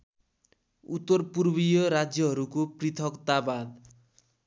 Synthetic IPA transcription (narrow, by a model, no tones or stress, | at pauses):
ut̪ːʌrpurbijʌɾad͡zjʌɦʌɾukoprit̪ʰʌkt̪abad̪